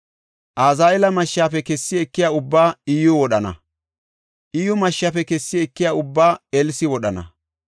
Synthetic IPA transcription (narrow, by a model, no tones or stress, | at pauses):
ʔaːzaːɛlɐmɐʃːaːpɛkɛsːɪɛkːɪjaːʊbːaːiːjɔwɔɗɐnɐ̰ | ʔiːjɔmɐʃːaːpɛkɛsːɪɛkːɪjaːʊbːaːɛlsɪwɔɗɐnɐ̰